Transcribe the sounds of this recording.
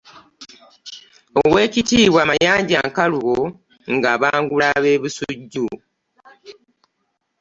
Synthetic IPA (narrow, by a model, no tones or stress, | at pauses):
owe̞ːcitiːβwaːmajaːɲɟaŋkaluɣo | ŋɡaβaːŋɡulaβeːβusuɟːu